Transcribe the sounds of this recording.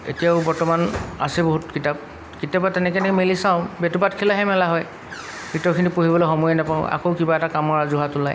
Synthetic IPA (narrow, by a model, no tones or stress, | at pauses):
ḛtijaʊbɔɹtɔmana̰sɛboɦutkitap̚ | kitiabatɛnɛkɛnɛkɛmelisãʊ̃betubatkʰilaɦɛmɛlaɦɔj | bitɔɹkʰinipoɦibɔloxɔmɔjanapaʊ̰̃a̰koʊkibaɛtakamɔɹazuɦatʊlaj